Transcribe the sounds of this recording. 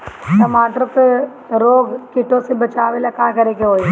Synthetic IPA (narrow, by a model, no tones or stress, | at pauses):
t̪ɐmaːt̪ɾək | ɾoːɡkɪʈõsebɐt͡ʃaːʋelakaːkɐɾekeɦoːi